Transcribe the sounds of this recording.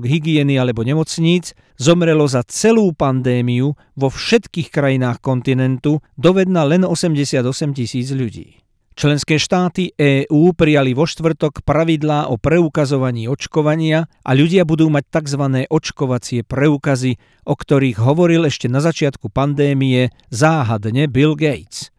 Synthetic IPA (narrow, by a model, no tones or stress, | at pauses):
ɡɦiɡɪɛnialɛbɔɲɛmɔt͡sɲiːd͡z | zɔmɾɛlɔzat͡sɛluːpand̪ɛːmiu | ʋɔfʃɛt̪kiːxkɾajinaːxkɔnt̪inɛnt̪ud̪ɔʋɛd̪̚nalɛnɔsɛmɟɛsɪad̪ɔsɛmcisiːd͡zʎuɟḭː | t͡ʃlɛnskɛːʃt̪aːt̪iʔɛːʔuːpɾijaliʋɔʃt̪ʋr̩t̪ɔkpɾaʋid̪laːʔɔpɾɛukazɔʋaɲiːɔt͡ʃkɔʋaɲɪaʔa̰ʎuɟɪabud̪uːmac̚t̪aɡzʋanɛːʔɔt͡ʃkɔʋat͡sɪɛpɾɛuːkazi | ʔɔkt̪ɔɾiːɣɦɔʋɔɾilɛʃcɛnazat͡ʃɪat̪kupand̪ɛːmijɛ | zaːɦad̪ɲɛbilɡɛjt͡s